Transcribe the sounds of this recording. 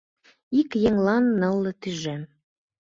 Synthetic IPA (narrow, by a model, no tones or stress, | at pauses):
ikjeŋlɑnːɤ̆lːɤ̆t̪yʒem